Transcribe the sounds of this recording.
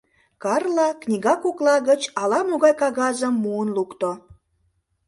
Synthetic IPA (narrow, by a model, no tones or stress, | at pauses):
kɑrlɑknʲiɣɑkoklˠɑɣət͡ɕɑlɑmoɣɑjkɑɣɑzəmːuənlukt̪o